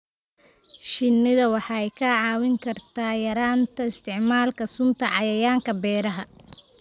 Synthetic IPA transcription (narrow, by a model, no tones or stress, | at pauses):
ʃɪnːɪðɐwɑħɑɛjkʰɐʕɑːwɪŋkʰɐrt̪ʰaːjɐɾaːnt̪ʰɐɪst̪ʰɪʕmaːlkʰɐsʊmt̪ʰɐʕɑjɐjaːŋkʰɐbɛːɾɐɦɐ